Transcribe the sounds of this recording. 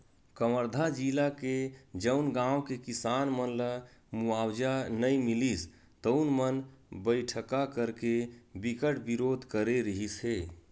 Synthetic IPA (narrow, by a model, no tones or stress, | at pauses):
kəməɾd̪ʱad͡ʒilaked͡ʒəʊnɡãːwkekisaːnmənləmuaːwd͡ʒanəimilis | t̪əʊnmənbəɪʈʰəkakəɾkebikəʈbiɾoːd̪ʱkəɾeɾəɦisɦe